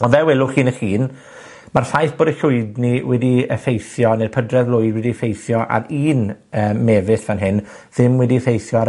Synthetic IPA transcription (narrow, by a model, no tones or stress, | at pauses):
ɔnvɛwɛlˠʊχiːnəχiːn | marɬajθb̥oːdəɬʊɨdniwɛdiə̰fejθjɔner̥pʰədrɛðlʊɨdwɛdifejθjɔʔa̰ɾiːnəːmːɛvɪθvanɦɪn | ð̥ɪmwɛdiəfejθjɔa